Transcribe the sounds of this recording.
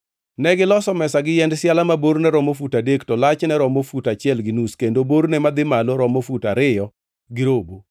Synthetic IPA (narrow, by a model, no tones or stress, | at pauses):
nɛɡɪlɔsɔmɛsaɡɪjɛndsjalamaboɾnɛɾɔmofutadektɔlat͡ʃnɛɾɔmofutat͡ʃɪɛlɡɪnuskendoboɾnɛmad̪ɪmaloɾɔmofutaɾɪjɔ | ɡɪɾobo